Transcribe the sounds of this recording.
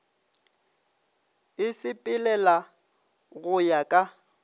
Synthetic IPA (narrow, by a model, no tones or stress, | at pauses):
ɪsɪpʼɪlɛla | ɣʊjakʼa